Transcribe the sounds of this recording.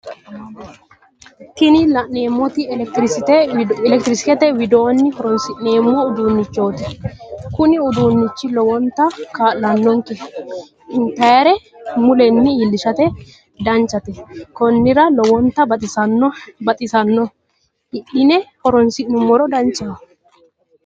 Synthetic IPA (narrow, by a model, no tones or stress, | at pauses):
t̪ɪnɪlɐʔne̞ːmːɔt̪ɪɛkt̪ɾɪsɪt̪ɛɛlɛk̚t̪ɾɪsɪ̥kɛt̪ɛwɪd̪o̞ːnːɪhɔɾɔnsɪʔneːmːɔʊd̪uːnːɪt͡ʃːo̞ːt̪ɪkʊnɪʊd̪uːnːɪt͡ʃːɪlɔwɔnt̪ːɐkaːʔlɐnːɔŋkɛ | ɪnt̪ɐjɐɾɛ | mʊlɛnːɪilːɪʃɐt̪ɛ | d̪ɐnt͡ʃːɐt̪ɛkɔnːɪɾɐlɔwɔnt̪ːɐbɐt̪ʼɪsɐnːɔbɐt̪ʼɪsɐnːɔ | ɪɗɪnɛhɔɾɔnsɪʔnɪmːɔɾɔd̪ɐnt͡ʃʼːɐ